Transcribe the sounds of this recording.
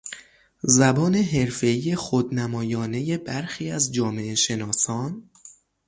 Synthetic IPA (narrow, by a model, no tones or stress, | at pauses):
zæbɒːne̞ɦe̞ɾfe̞iːje̞xod̪næmɒːjɒːne̞je̞bæɾxiːæzd͡ʒɒːme̞eʃe̞nɒːsɒːn